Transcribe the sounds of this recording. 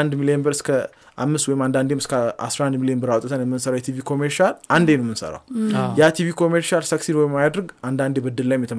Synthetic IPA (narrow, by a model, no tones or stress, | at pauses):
nd̪milijenbəɾɨskʰə | ʔa̰mːɨst̪wɔjɪmand̪and̪emɨskʰaa̰sɾahand̪milijenbəɾawt̪ʼːət̪ʰənjɛmːɨnsəɾawjɛt̪ʰivikʰo̞meɾʃalʔand̪enəwɛmɨnsə̰ɾa̰wjat̪ʰivikʰo̞meɾʃalsəksinwɔjɪmːajad̪ɾɨɡand̪and̪ebəd̪ːɨllajɪmjɛt̪ʰə